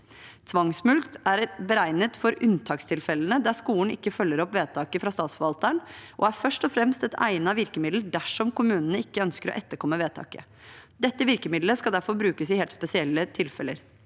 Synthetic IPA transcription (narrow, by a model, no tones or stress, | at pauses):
t̪ʰʋɑŋsmʉlkt̪æɾbəɾæɪnət̪fɔɾʉnt̪ʰɑːkst̪ʰɪlfɛlːənəd̪æʂkuːɳ̩ɪkːəfœlːəɾɔpʋeːt̪ʰɑːkəfɾɑst̪ɑːt̪sfɔɾʋɑlt̪əɳʔɔ̰æɾfœʂʈɔfɾɛmst̪ɛt̪ʰæ̰ɪnɑʋɪɾkəmɪd̪ld̪æʂɔmkʊmʉːnənəɪkːəœnskəɾɔ̰ʔɛt̪ːəɾkʰɔmːəʋeːt̪ʰɑ̰ːkə̰ | d̪ɛt̪ːəʋɪɾkəmɪd̪ləskɑld̪æɾfɔɾbɾʉːkəsɪheːlt̪spɛsɪɛlːət̪ʰɪlfɛlə̰ɾ